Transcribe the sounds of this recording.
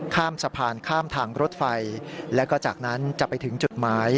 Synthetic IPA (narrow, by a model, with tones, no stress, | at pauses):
kʰaː˥˩msa˧pʰaː˧nkʰaː˥˩mt̪ʰaː˧ŋɾo˦˥t̪̚fa˧jlɛː˦˥wkɔː˥˩t͡ɕaː˨˩k̚na˦˥nt͡ɕa˨˩pːa˧jt̪ʰɯ˩˦ŋt͡ɕu˨˩t̪̚maː˦˥j